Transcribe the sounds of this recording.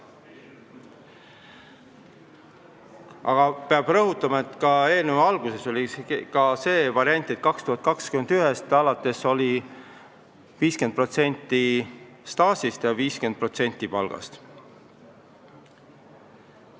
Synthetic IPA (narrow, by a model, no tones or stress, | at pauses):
ʔɑ̰ɡ̥ɑpeɑb̥rɤɦut̪ːˑɑmɑe̞t̪ˑkɑe̞ːlnevɑɑlɡ̥use̞so̞lʲikɑse̞ːvɑɾiɑnʲt̪ˑet̪̚ːkɑkst̪uhɑt̪̚kɑkskyme̞nd̪̥yɦest̪ɑlɑt̪ːˑe̞so̞li | viːsken̚pro̞t̪se̞nʲt̪ˑːi | st̪ɑːsist̪jɑviːskend̪̚pro̞t̪se̞nʲt̪ːˑipɑ̰lɡ̥ɑ̰st̪